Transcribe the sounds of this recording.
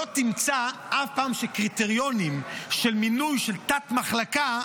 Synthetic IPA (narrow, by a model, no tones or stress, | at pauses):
ot̪imt͡saʔafpaːmʃekʁit̪eʁijo̞nimʃe̞lminujʃelt̪at̪maχlaka